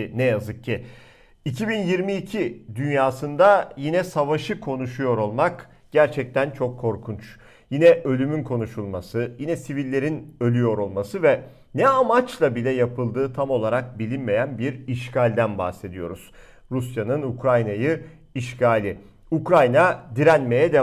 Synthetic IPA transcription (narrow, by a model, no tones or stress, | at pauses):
nɛjazɯk̚cʰːi | icʰibinjiɾmiːcʰid̪ynjaːsɯnd̪ajinɛsavaʃɯkʰo̞nuʃujo̞ɾo̞lˠmak | ɟ̥æɾt͡ʃʰɛc̚t̪ʰænt͡ʃʰo̞kʰːo̞ɾkʰunt͡ʃ | jinɛʔø̞lʲymynkʰo̞nuʃulˠmasɯjinɛsivilʲːe̞ɾinø̞lʲyjo̞ɾo̞lˠmasɯvɛ | nɛamat͡ʃlˠabilʲɛjapʰɯlˠd̪ɯːt̪ʰamo̞lˠaɾak̚bilʲinme̞jænbiɾiʃcʰalʲd̪ænba̰xse̞d̪ijo̞̰ɾuz̥ | ɾusjanɯnukɾajnajɯ | iʃcʰaːlʲɪ | ukɾajnad̪iɾænme̞jɛd̪ɛ